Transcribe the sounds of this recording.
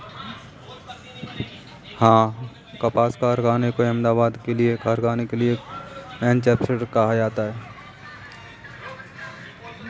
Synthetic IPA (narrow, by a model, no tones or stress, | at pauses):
hãː | kɐpaːskaːɾɡaːnekoɐ̃md̪aːbaːd̪keliekaːɾɡaːnekeliemɛːnt͡ʃɛːpseʈkɐɦad͡ʒaːt̪aɦɛː